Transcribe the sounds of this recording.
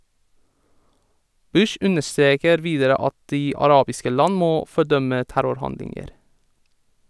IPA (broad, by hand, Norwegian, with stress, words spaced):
ˈbʉʃ ˈʔʉnəʃˌtɾeːkəɾ ˈʋiːdəɾə ˈɑt ˈdiː ɑˈɾɑːbɪskə ˈlɑn ˈmoː fɔˈɖœmə ˈtæɾʊɾˌhɑndlɪŋəɾ